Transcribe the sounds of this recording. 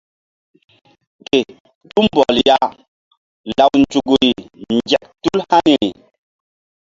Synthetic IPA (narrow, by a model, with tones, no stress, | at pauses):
te˨ | tu˦mbɔ˨lja˨ | la˨wnd͡ʒu˨ɡu˨i˨nd͡ʒɛ˨k̚tu˦lha˦ni˨i˨